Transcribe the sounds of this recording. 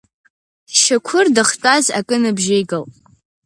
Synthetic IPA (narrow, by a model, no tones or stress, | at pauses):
ʃakʷʰʊrdɨχtʼaza̰kʼɨnɨbʒejɡɨlʼ